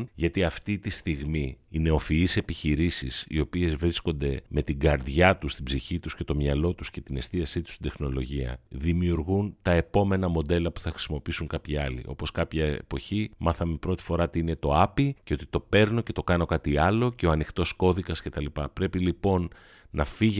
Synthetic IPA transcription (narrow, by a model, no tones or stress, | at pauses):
ʝɐt̪iɐft̪it̪ist̪iɣmiːne̞o̞fiise̞piçiɾisisḭo̞pie̞zvɾisko̞nd̪e̞me̞t̪iɡɐɾðʝɐt̪ust̪ibziçit̪usce̞t̪o̞mɲɐlo̞t̪usce̞t̪ine̞st̪iɐsit̪u̥st̪id̪exno̞lo̞ʝiɐ̰ðimiuɾɣunt̪ɐe̞po̞me̞nɐmo̞d̪e̞lɐpu̥θɐxɾisimo̞piisuŋkɐpçiɐlḭʔo̞po̞skɐpçɐḛpo̞çimɐθɐmepɾo̞t̪i̥fo̞ɾɐt̪iine̞t̪o̞ɐpiceo̞t̪i̥t̪o̞pe̞ɾno̞ce̞t̪o̞kɐno̞kɐt̪iɐlo̞ce̞o̞ɐnixt̪o̞sko̞ðikɐsce̞t̪ɐlipɐpɾe̞pilipo̞nː | ɐfiʝ